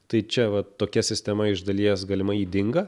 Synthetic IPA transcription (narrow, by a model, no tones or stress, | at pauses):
t̪ɐɪt͡ʃʲɛʋɐt̪oːkʲɛsʲɪsʲt̪ʲɛmɐɪʒd̪ɐlʲiɛjɛsɡɐːlʲɪmɐiːd̪ʲɪŋɡɐ